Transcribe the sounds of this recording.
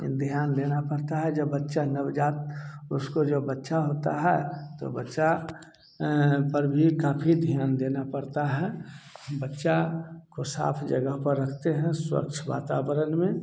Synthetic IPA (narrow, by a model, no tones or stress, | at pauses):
d̪ʱjaːnd̪eːnapəɽt̪aɦɛd͡ʒəbːətːʃanəʋd͡ʒaːt̪̚ʊskod͡ʒobətːʃaɦoːt̪a̰ɦɛːt̪o̰bətːʃa | pəɾbʱikaːpʰid̪ʱjaːnd̪eːnapəɾt̪aɦɛ | bətːʃakosa̰ːpʰd͡ʒə̰ɡəɦpəɾːəkʰt̪eɦɛ̃swə̰k̚t͡ʃʰʋa̰ːt̪aːbəɾənmẽ